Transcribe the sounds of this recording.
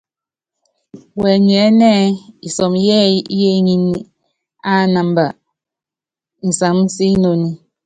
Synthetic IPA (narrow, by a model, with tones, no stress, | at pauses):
wɛ˨ɲ˨ɛ˨˦nɛ˦i˨sɔ˨m˦jɛ˦jɛ˦ɲi˦ni˦ | a˦˨˦na˨m˦ba˨ | n̩˨sa˨ŋ̩˦si˦no˨ni˦